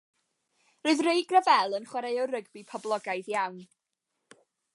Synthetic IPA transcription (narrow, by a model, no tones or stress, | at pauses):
roɨðreɨɡrəvɛlˠənχwɛɾajɔwrəɡbipʰɔblˠɔɡajðjawn